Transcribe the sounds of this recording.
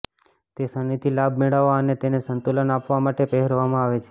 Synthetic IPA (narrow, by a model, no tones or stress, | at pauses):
t̪esənit̪ʰilab̚meɽaʋaənet̪enesənt̪olənapʋamaʈepeɦəɾʋamãaʋet͡ʃʰe̥